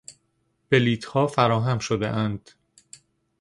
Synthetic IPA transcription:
b̥e̞liːt̪ʰhɒːfæɾɒːɦæmʃod̪ḛʔænd̪̥

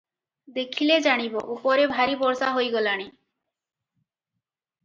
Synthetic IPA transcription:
d̪ekʰiled͡ʑaɽ̃ibɔʔopɔɾebʱaɾibɔɾsaɦojɡɔlaɽ̃i

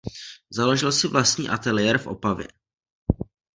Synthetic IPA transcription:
zaloʒɪlsɪvlast̪ɲḭːʔat̪ɛlɪɛɾfʔo̞̰pavjɛ̰

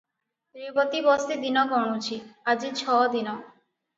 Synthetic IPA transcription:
t̪ɾibɔt̪ibɔst̪id̪inɔkɔɽ̃ut͡ʃʰiad͡ʒit͡ʃʰɔd̪inɔ

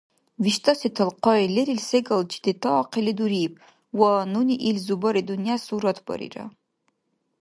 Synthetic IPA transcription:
viʃtʰasitʰɐlqʰɔileɾilseɡɐld͡ʒid̪etʰaːqʰiliduɾip̚ʰʼ | wanuniʔilzubɐɾidunijasuɾɐtʰb̥ɐ̰ɾḭra̰

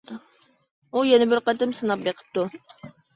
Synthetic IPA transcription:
ujɛnɪbɪɾqɑt̪ɨmsɨnɑp̚beqʰə̥p̚t̪u

